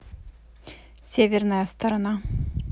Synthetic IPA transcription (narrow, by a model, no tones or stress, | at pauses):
sʲevʲernəjɐst̪ɐɾɐna